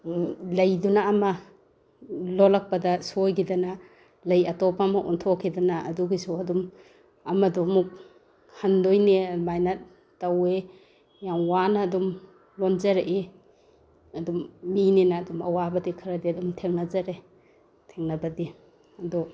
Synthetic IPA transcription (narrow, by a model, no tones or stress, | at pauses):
lɐjdunaːma | lɔlak̚padasojɡidana | lɐjɐtɔpʰamaʔɔntʰɔkʰːidanaʔɐ̰duɡisuɐdum | ɐmadɔmuk̚ | handojnemajnat̚ː | ɐwe | jaŋwanaːdum | lɔnzaɾeʔe | ɐdumːinenaːdumɐ̰wabɐdikʰɯɾadiɐdumtʰeŋnazaɾe | tʰeŋnabɐdi | ɐdɔ